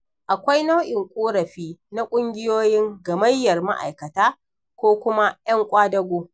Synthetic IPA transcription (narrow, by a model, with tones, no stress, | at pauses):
ʔa˨kʷa˦jna˦wʔɪ˨ŋkʷʼoː˦ɾɐ˨ɸiː˦na˦kʷʼʊ˦ŋɡʲɪ˦joː˦jɪ˦ŋɡɐ˨mɐ˦jːɐ˨rma̰˦ʔa̰˨jkɐ˨taː˦ | kʷoː˦kʷʊ˦ma˦j̰ɐ˦ŋkʷʼaː˦dɐ˦ɡʷoː˦